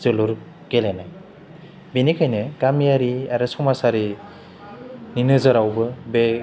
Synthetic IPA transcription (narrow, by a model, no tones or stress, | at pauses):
zɯluɾ | kelenaj | binikʰajneɡamijaɾiaɾɯsɔmasaɾi | ninɯzɯɾawbɯbe